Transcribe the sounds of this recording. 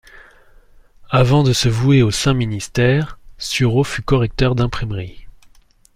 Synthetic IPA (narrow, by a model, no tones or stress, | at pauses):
avɑ̃d̪əsəvueosɛ̃minist̪ɛʁsyʁofykɔʁɛk̚t̪œʁd̪ɛ̃pχimʁi